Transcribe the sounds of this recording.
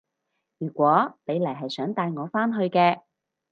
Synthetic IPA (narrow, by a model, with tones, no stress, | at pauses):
jyː˨˩kʷɔː˨˥ne˨˧jlɐ˨˩jɦɐ˨jsœː˨˥ŋt̪aː˧jŋɔː˨˧faː˥nɦɵ˧ɥkɛː˧